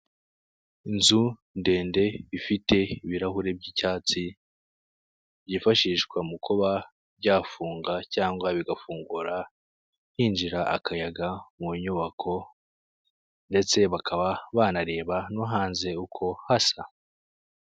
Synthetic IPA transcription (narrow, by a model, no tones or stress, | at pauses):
inzu | nde̞ːnde̞βifite̞iβiɾaɦuɾe̞bɟicaːt͡si | ɟifaʃiːʃkwamukʰoβa | βɟaːfuːŋɡacaːŋɡwaβiɡafuːŋɡuɾa | hiːnd͡ʒiɾaʔakʰajaɡamuɲuːβakʰo̞ | nde̞t͡se̞βakʰaβaβaːnaɾe̞ːβanuɦaːnze̞ukʰo̞hasa